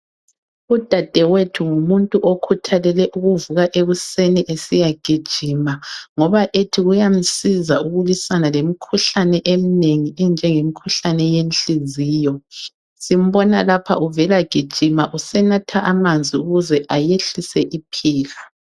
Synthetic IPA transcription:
ud̥ʱad̥ʱɛwetʰuŋumuntʼuʔokʰutʰalɛlɛʔuɣuvuɣaʔeɣuseniʔesijaɡ̥ʱid̥ʒ̥ʱimaŋɔβaʔetʰiɣujam̩sizauɣulisanalemikʰuɬanɛʔem̩neŋiɛnd͡ʒʱɛŋemikʰuɬanɛjenɬiziːjɔ | sim̩βɔnalapʰa̰ʔuvɛlaɡ̥ʱid̥ʒ̥ʱimaʔusɛnatʰaʔamand͡zʱiuɣuzɛʔajeɬisɛʔipʰiːɣa

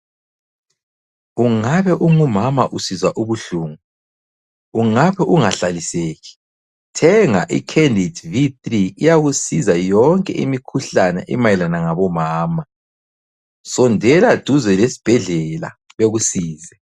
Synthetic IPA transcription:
uŋaβɛʔuŋumamaʔusizaʔuβuɬuːŋu | uŋaβɛʔuŋaɬaliseːɣi̥ | tʰɛŋaʔḭkʰendʱidviθriːjaɣusizajɔŋkʼɛ̰ʔḭmikʰuɬanɛ̰ʔḭmajɛlanaŋaβɔmaːma | sɔndʱɛlad̥ʱuzɛlesi̥b̥ʱɛɮɛla̰ | βeɣusiːzɛ

